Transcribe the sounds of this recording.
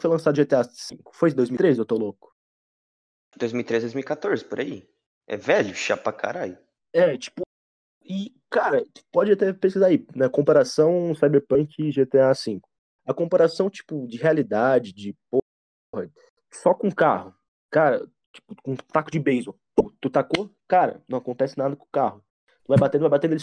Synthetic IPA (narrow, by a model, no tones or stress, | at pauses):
fojlɐ̃sad̪ʊʒet̪easĩŋkʊ̥fojd̪ojzmiɾezɪewt̪olokʊ̥ | d̪ojzmiwit̪ɾezd̪ojzmiwikat̪oɾzɪpʊɾa̰i | ʔɛ̰vɛʎʊʃa̰pakʰa̰ɾaʎʊ | ɛt͡ʃi̥pʊ | ɪ | kaɾɐpɔd͡ʒɪat̪ɛpeskizainɛkõpaɾasɐ̃w̃sajbeɾpɐ̃kɪʒet̪easĩkʊ̥ | ɐkõpaɾasɐ̃w̃t͡ʃi̥pʊd͡ʒɪhealid̪ad͡ʒɪd͡ʒɪpo | ohɐ | sɔkõkahʊ | kaɾɐ̰ | t͡ʃi̥pʊ̥kõt̪akʊd͡ʒɪbejzot̪ut̪ut̪akokaɾɐ̰nɐ̃w̃akõnt̪ɛsɪnad̪ɐkõkahʊ | t̪uvajbat̪ẽd̪vajbat̪ẽd̪elɪ